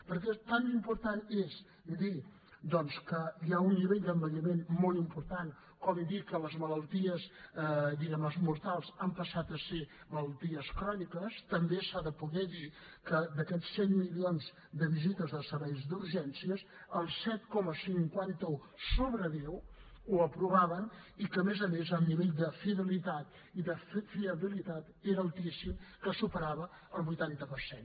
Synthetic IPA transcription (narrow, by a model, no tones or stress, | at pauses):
pəɾkɛt̪animpuɾt̪anes | d̪i | d̪ɔnskəiaunːiβɛʎd̪əmbəʎəmenmɔlˠimpuɾt̪an | kɔmiðikələzmələlˠt̪iəzd̪iɣɛməzmuɾt̪alˠzampəsat̪əse | mələlˠt̪iəskɾɔnikəst̪əmbesaðəpuɣɛði | kəd̪əkɛt͡sːɛnmilionz | d̪əβizit̪əzðəsəɾβɛjzd̪uɾʒɛnsiəsəlˠsɛt̪kɔməsiŋkwant̪əu | soβɾəðew | uəpɾuβaβənikəmezəmezəlniβeʎd̪əfiðəlit̪at̪ | iðəffiəβilit̪at̪eɾəlˠt̪isimkəsupəɾaβə | əlˠβujt̪ant̪əpəɾsen